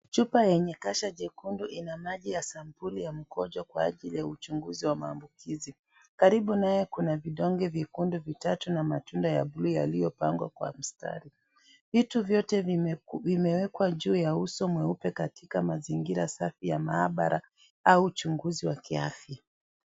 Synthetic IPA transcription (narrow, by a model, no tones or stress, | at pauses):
t͡ʃupajɛɲɛkaʃaʄɛkunduʔinamaʄijasam̩pulijam̩kɔʄɔkwaːʄilijaut͡ʃuŋɡuziwamaːmbukizi | kaɾiɓunajɛkunaviɗɔŋɡɛvikunduvitatunamatundaja̰bluja̰lijɔpaŋɡwa̰kwa̰m̩sta̰ɾi | vituvjɔtɛvimɛwɛkwaʄuːjausɔmwɛupɛkatikamaziŋɡiɾa̰safijamaaɓa̰ɾʔa | aut͡ʃuŋɡuziwakia̰fja